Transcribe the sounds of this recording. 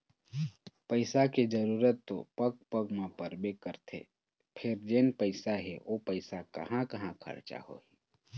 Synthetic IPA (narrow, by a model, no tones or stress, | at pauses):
pəɪsaked͡ʒəɾuːɾət̪ːo̰pəɡ̚pəɡmãpəɾbekəɾt̪ʰḛ | pʰɪɾd͡ʒeːnpəɪsaɦɛʔopəɪsakɐ̰ɦãkɐɦãkʰə̰ɽt͡ʃa̰ho̰iː